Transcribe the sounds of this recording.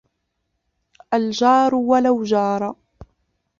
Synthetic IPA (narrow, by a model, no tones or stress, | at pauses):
ʔald͡ʒɑːɾˤʊwalawd͡ʒɑːɾˤɑ